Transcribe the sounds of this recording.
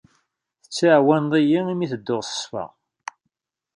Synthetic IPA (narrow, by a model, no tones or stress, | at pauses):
θə̥t͡sːiʕwænðˤijiimiθəd̪ːʊʁsə̥sfə̰ʁ